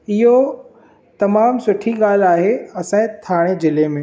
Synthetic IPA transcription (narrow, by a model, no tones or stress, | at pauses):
ɪɦo | t̪ɐmaːmsʊʈʰiɠaːl̤aːɦeɐsãt̪ʰaːɽ̃ed͡ʑɪlemẽ